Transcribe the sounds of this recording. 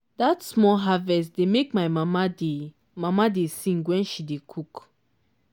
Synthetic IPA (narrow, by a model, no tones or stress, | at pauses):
datsmɔlɦavɛstdemek̚maɪmamade | mamadesĩŋɡwɛ̃nʃidekʰuk